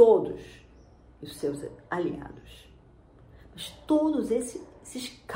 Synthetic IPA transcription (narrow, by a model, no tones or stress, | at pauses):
od̪ʊ̰s | ʊsewzalḭa̰d̪ʊs | mɐst̪od̪ʊzesɪsɪʃk